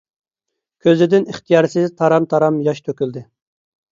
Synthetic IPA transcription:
kʲʰøzlɪd̪ɪniχt̪ʰijɑːɾsɪzt̪ʰɑɾɑmt̪ʰɑɾɑmjɑʃt̪ʰøkʲyld̪ɪ

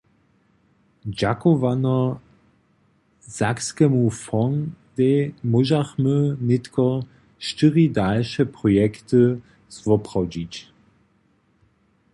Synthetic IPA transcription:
d͡ʒakovanɐ | z̥akskəmufɔŋd̥ɛmoʒaχmønɪtkɐ | ʃtɪʁidalʃəpʁ̥ɔjɛktə | svɔpʁ̥awdit

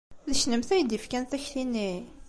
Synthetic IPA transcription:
ðəʃnəmθæjd̪ifkænθæçθinːi

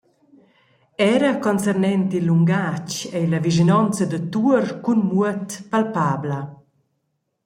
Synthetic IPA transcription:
ɛːɾəkɔnsɛrnɛnt̪ilːuŋɡat͡ʃɛlaviʒinɔnt͡sad̪ət̪uərkunmuət̪palpaːbla

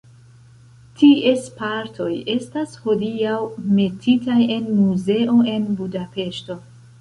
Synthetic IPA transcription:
tʰie̞spaɾtʰo̞je̞stasho̞diawme̞tʰitaje̞nmuze̞ʔo̞e̞nbudape̞ʃto̞

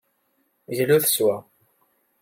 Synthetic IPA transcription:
zluθə̥swæ

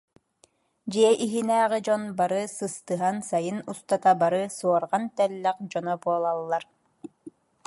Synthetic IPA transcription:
d͡ʑiɛʔiɦinæːʁid͡ʑɔnbaɾɯsɯst̪ɯɦansajɯnust̪at̪abaɾɯsuɔɾʁant̪ɛlːɛq̚d͡ʑɔnɔbuɔlˠalˠːaɾ

